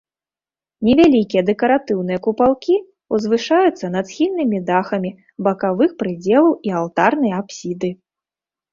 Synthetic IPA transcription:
nʲɛvʲalʲikʲijɐd̪ɛkɐɾat̪ɨwnɨjɐkupalˠkʲi | uzvɨʂajut̪sːɐnat̪sxʲilʲnːɨmʲid̪axɐmʲi | bɐkavɨxpɾɨd͡zʲɛlˠɐwialˠt̪arnɐjɐapsʲid̪ɨ

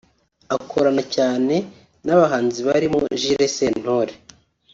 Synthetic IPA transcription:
akʰoɾanacaːne̞ | naβaɦaːnziβaɾimo̰ʒiɾesen̥hoɾe

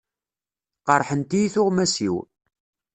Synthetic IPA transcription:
qəɾˤħənt̪ijiθʊʁmæsḭw

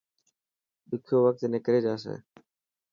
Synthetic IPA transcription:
ɓɪkʰjoːʋək̚t̪eneːkəɾeːd͡ʒaːs̬ḛː

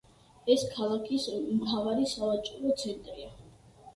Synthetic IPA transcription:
ɛskʰalˠakʰismtavaɾisavat͡ʃʼuɾɔt̪sʰɛnt̪ʼɾia

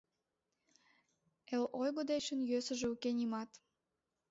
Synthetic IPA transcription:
elojɣod̪et͡ɕənjøsəʒeukenimɑt̪

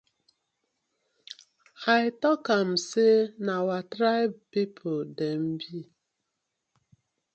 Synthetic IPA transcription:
haɪtɔkam̩senawatɾaɪbpipʰodem̩bi

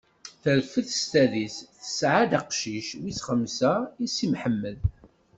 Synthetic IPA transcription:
θəɾfəθəst̪æðisθə̥sʕad̪aqʃiʃwisχəmːsæisimħəmːəð

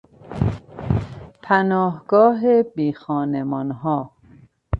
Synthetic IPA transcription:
pʰænɒːɦɡɒːɦebiːxɒːnemɒnɦɒː

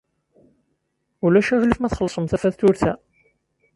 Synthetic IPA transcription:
ulæʃæɣlifmæθχəlːsˤəmθæfæθθʊɾθæ

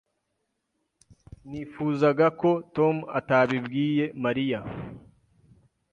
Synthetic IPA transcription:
niːfuːzaɡako̞to̞mua̰taβibɡiːje̞maɾija

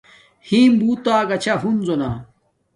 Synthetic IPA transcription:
hĩːmbuːt̪aːɡɐt͡ɕʰaɦunzona

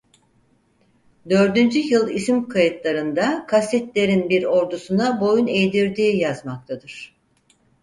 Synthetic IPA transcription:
d̪ø̞ɾd̪ynd͡ʒyjɯlˠisimkʰajɯt̪lˠaɾɯnd̪akʰasɛt̪lʲe̞ɾinbiɾo̞ɾd̪usunabo̞june̞jd̪iɾd̪iːjazmak̚t̪ʰad̪ɯɾ̥

